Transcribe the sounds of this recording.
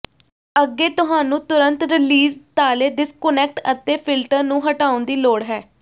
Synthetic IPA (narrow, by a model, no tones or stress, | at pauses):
əɡːeːt̪ʊɦaːnũːt̪ʊɾənt̪ɾɪliːzt̪aːleːɖ̪ɪskʊnɛːk̚ʈət̪eːpʰɪlʈəɾnũːɦəʈaːõnd̪iːloːɽɦɛː